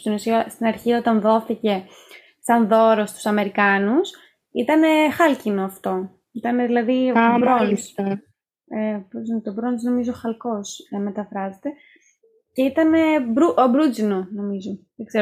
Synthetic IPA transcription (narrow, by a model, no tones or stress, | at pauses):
st̪onusiɐst̪inɐɾçio̞t̪ɐnðo̞θice̞ | sɐnðo̞ɾo̞st̪u̥sɐme̞ɾikɐnus | ḭt̪ɐne̞xɐlcino̞ɐft̪o̞ | it̪ɐne̞ðilɐðibɾons | ebɾuznet̪obɾonzno̞mizo̞xɐlko̞snɐme̞t̪ɐfɾɐzet̪e̞ | ce̞it̪ɐne̞bɾuʔobɾud͡zinono̞mizo̞ðeɡzeɾo